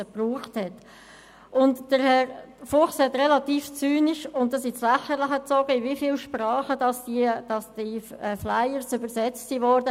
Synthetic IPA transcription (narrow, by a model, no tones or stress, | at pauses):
əpruːχthɛt | ʔʊntd̥əɾhɛɾfʊχshɛt̪rɛlɑtiːft͡syːniʃʊntdɑs̬islɛχəɾlɪχət͡sɔɡ̥əɪvifilʃpɾɑːχədɑsd̥id̥ɑsd̥iflajəɾsʏbəɾsɛt͡stsiːvɔɾd̥ə